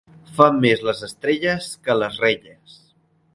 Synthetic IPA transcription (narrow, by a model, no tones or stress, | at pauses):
famːezləzəst̪ɾeʎəskələzreʎəs